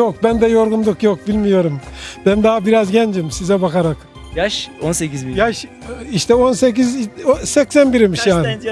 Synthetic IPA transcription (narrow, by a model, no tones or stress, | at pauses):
jokbænd̪ɛjo̞ɾɡund̪ukjo̞k̚bilʲmijo̞ɾumb̥ɛnd̪aɦabiɾazɟɛnd͡ʒimsizɛbakaɾak | jaʃonsekʲizbijaʃ | iʃt̪ʰɛo̞nsec̬izsɛcsænbiɾimiʃjaːnɪ